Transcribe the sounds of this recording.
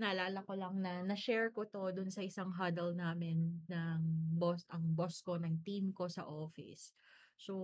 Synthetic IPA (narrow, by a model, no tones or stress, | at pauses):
nɐlaːlɐko̞lɐŋnɐnɐʃɛɹkot̪o̞d̪ʊnsɐʔɪsaŋɦad̪ɛlnaːmɪnːɐŋbosʔɐŋbosko̞nɐŋt̪imko̞sɐ̰ʔoːfɪ̰sso